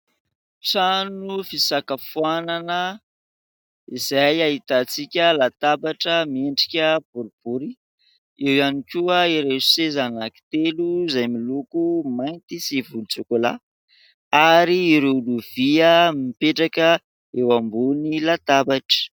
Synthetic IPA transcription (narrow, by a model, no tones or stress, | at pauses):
ʈ͡ʂanufisakəfuananə | izajaɦit̪at͡sikʲəlat̪abaʈ͡ʂəmieɳɖ͡ʐi̥kʲəb̥uɾib̥uɾi | ewanikʲuəiɾe̥sezanaki̥t̪eluzajmilukumajnt̪isivulut͡sukola̰ | aɾiːɾeluv̥iəmipeʈ͡ʂakə | ewambunilat̪abaʈ͡ʂə̥